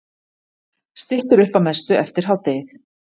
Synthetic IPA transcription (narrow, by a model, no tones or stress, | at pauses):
st̪ɪht̪ʏɾʏhpamɛst̪ʏʔɛft̪ɪɾ̥ɦawt̪eːjθ